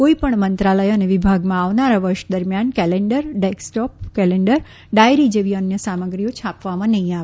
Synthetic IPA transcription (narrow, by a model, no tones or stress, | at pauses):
koipəɳmənt̪ɾaləjəneʋɪbʱaɡmãaʋnaɾaʋəɾʃd̪əɾmjankɛleɳɖəɾɖɛksʈɔp̚kɛleɳɖəɾ | ɖajɾid͡ʒeʋiənjəsaməɡɾiot͡ʃʰapʋamãnəɦĩaʋ